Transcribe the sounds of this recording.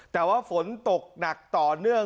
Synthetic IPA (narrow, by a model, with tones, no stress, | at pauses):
t̪ɛː˨˩waː˥˩fo˨˦nt̪o˨˩k̚na˨˩k̚t̪ɔː˨˩nɯ˥˩ə